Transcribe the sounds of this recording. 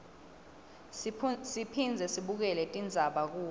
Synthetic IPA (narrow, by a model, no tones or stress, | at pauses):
sipʰind͡zʱɛsiɓuk̬ɛlɛtʼind͡zʱaɓak̬uː